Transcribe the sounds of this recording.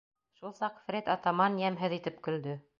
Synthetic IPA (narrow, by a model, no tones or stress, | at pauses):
ʃulˠsɑqfɾʲet̪ɑt̪ɑmɑnjæmɦɘðit̪ɘpkɵ̆ld̪ɵ